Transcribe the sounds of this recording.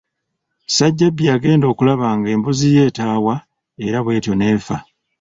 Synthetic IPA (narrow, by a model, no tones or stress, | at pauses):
saɟːabːiaːɡe̞ːndo̞ːkulaβaːŋɡe̞ːmbuzije̞ːtaːwa | e̞ɾaβwe̞ːtjo̞ne̞ːfa̰